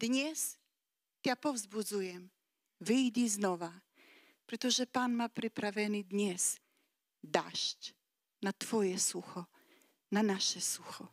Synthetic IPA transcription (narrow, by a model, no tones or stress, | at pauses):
d̪̥ɲɛs | t̪japɔvzbud̪zujɛm | vɪjd͡ʑiznɔva | pɾɛt̪ɔʐɛpanmapɾɪpɾavʲjɛnɪd̪ɲɛs | d̪a̰ʂt͡ɕ | nat̪fɔjɛsuxɔ | nanaʃɛsuxɔ